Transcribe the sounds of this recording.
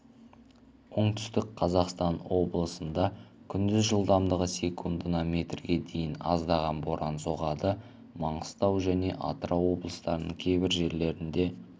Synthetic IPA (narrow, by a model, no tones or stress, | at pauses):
woɴt̪ʰʏ̥st̪ɪkqʰɑzɑqst̪ɑnwo̞blˠəsənd̪ɑkʲʰʏnd̪ɪzʒəlˠd̪ɑmd̪əʁəse̞kʰund̪ənɑmʲe̞t̪rɡʲe̞d̪e̞jɪnɑ̰zd̪ɑʁɑnbo̞ɾɑnso̞ʁɑd̪ə | mɑɴəst̪ɑwʒæne̞ʔɑ̰t̪əɾɑwo̞blˠəst̪ɑɾənəɴkʲʰe̞jbɪɾʒe̞ɾle̞ɾɪnd̪e̞